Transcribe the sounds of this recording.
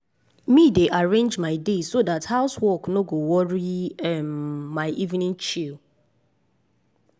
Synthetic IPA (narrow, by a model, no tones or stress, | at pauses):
mideʔaɹẽnd͡ʒmaɪdesodathaʊswɔknoɡowɔɹiɛmːaɪʔivnĩnt͡ʃil